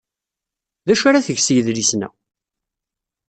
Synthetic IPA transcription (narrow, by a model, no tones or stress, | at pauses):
ðæʃaɾaθəʝsjəðɾisnæ̰